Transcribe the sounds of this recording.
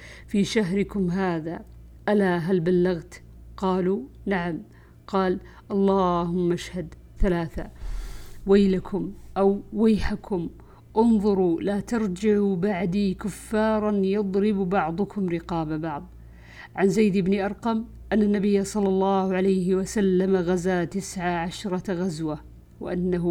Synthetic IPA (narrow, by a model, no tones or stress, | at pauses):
fiːʃaɦɾɪkʊmɦaːða | ʔalaɦalbalːaɣt̪ | qɑːlunaʕam | qɑːl | ʔɑlˤːɑːhʊmːʔaʃhad̪ | θalaːθa | waːlakʰʊmʔawːajːħakʰʊm | ʔʊnðˤʊɾulaːt̪ɑɾˤd͡ʒɪʕubaʕd̪iːkʊfːɑːɾˤɑnjɑd̪ˤɾɪbbɑʕd̪ˤʊkʰʊmɾɪqɑːbabɑʕðˤ | ʕanzajd̪ɪbniʔɑɾˤqɑm | ʔanːanːabɪjːasˤɑlːɑlːɑːhʕalajɦɪwasalːamaɣazat̪ɪsʕaʕaʃɾˤɑɣazwa | wɪ̰ʔanːaɦ